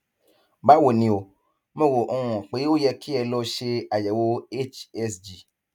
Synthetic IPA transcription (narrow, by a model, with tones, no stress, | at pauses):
ba˦wo˨nĩ˨o˨ | mẽ˦wo˨ʔ̩˦w̃ɔ̃˨k͡pe˨˦jwo˦jɛ˦kʰi˦ɛ˨lɔ˦ʃe˦a˨jɛ˨wo˦e˦t͡ʃɛ˦sd͡ʒi˨